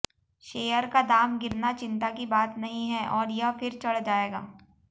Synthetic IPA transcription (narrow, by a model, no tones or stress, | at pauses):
ʃeːjəɾkad̪aːmɡɪɾnat͡ʃɪ̃nt̪akibaːt̪nɐɦĩɦɛʔɔːɾjɐfɪɾt͡ʃɐɽd͡ʒaːeːɡa̰ː